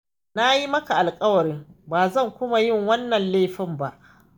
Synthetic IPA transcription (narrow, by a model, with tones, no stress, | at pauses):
na˦ji˦mɐ˦ka˨ʔa˨lkʼɐ˦wɐ˨ɾɪ˦ŋbaː˨zɐ˦˨ŋkʷʊ˦ma˨jɪ˦˨ŋwɐ˦nːɐ˨nleː˦˨ɸɪ˦mba˦ʔ